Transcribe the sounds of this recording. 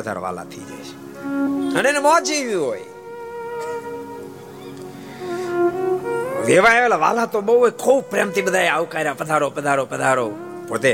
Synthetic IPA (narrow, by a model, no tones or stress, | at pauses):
əd̪ʱa̰ɾo̰ːʋa̰ːla̰ːt̪ʰḭːd͡ʒa̰ːt͡ʃe̥ | əneːnemɔːt͡ʃiːʋjũːɦoːi | ʋeːʋaːeʋeːlaʋa̰ːlaːt̪oːɓooikʰoːpɾejmt̪ʰiːɓəd̪ʱaːjaːʋkaːɾaːpəd̪ʱaːɾoːpəd̪ʱaːɾoːpəd̪ʱaːɾoː | poːt̪e